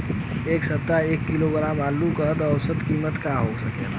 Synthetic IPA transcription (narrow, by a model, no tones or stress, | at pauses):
eːksəp̚t̪aeːkːɪloɡəɾãbaːlukəɾt̪ɔːwsət̪kimət̪kaɦosəket̪ʰ